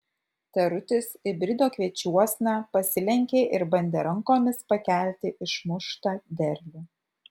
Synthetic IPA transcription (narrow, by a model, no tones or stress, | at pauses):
t̪ʲɛɾʊt̪ʲɪsɪbʲɾʲɪd̪oːkʋʲiɛt͡ʃʲuɔsʲnɑpɐsʲɪlʲɛŋʲkʲeːʔɪɾbɐnʲd̪ʲeːɾɐŋkoːmʲɪspɐkʲæˑlʲt̪ʲɪʔɪʃmʊʃt̪ɑːd̪ʲɛɾʲbʲe